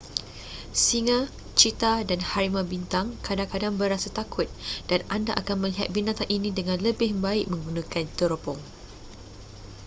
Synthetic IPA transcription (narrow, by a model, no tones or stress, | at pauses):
siŋã | t͡ʃit̪adanhaɾimãbint̪aŋkadaŋkadaŋbəɾasat̪akʰʊt̪̚d̥anandaʔakanmə̃liɦa̰t̪̚binat̪aŋʔinĩdəŋãnləbɪhbaɪk̚mə̃ŋɡunãkant̪əɾopɔŋ